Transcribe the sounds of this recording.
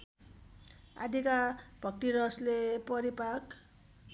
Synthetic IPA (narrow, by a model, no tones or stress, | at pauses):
a̰d̪ikabʱʌk̚ʈiɾʌslepʌɾipak